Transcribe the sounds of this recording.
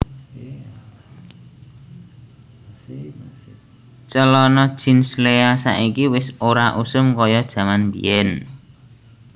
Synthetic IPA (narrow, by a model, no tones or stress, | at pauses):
t͡ʃəlɔnɔd̥ʒ̥i̤nsleasa̰ʔikiwɪsoɾaʔusʊmkɔjɔd̥ʒ̥ä̤manmbḭɛn